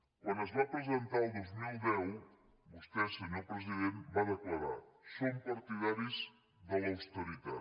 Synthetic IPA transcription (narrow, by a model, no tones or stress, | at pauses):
kwanəzβapɾəzent̪aðozmilˠdɛw | bust̪ɛsəɲopɾəziðembaðəklaða̰sompaɾt̪iðaɾiz | ðəlawst̪uɾit̪a̰